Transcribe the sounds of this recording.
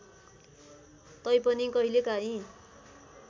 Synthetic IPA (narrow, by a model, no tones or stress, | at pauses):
t̪ʌjpʌnikʌɦilekaɦĩ